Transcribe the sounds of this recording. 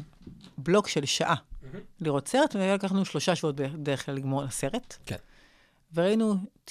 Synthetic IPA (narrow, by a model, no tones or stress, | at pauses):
blo̞kʃelʃaʔaliʁo̞tseʁetminaɡalːakaχnuʃlo̞ʃaʃvuo̞t̚bdeʁeχklalːiɡmolase̞ʁet | veʁainut